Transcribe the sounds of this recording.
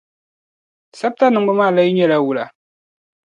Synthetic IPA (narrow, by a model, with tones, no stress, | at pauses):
sa˦b̚ta˦nɨ˨ŋ˦ɡ͡bɨ˦maː˦˨la˦ji˦ɲɛ˦la˦wu˨la˨